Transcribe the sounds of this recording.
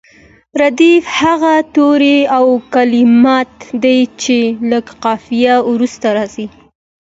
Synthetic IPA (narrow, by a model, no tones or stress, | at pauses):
ɾad̪ifhaɣat̪oɾeawkalɪmɑt̪d̪ajt͡ʃeləɡqɑfijawɾust̪aɾɑsi